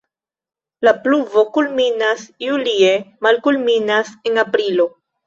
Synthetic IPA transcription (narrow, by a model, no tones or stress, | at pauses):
lapluvo̞kulminasjulie̞malkulminase̞napɾilo̞